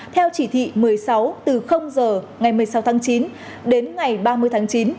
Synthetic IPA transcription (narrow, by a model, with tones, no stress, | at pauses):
t̪ʰɛ˧wt͡ɕi˧˩t̪ʰḭ˧˨mɨ˨˩əjsa˨˦wt̪ɨ˨˩xə˧wŋ͡mzəː˨˩ | ŋa˨˩jmɨ˨˩əjsa˨˦wt̪ʰaː˨˦ŋt͡ɕi˨˦n | ɗe˨˦nŋa˨˩jɓaː˧mɨ˧jt̪ʰaː˨˦ŋt͡ɕi˨˦n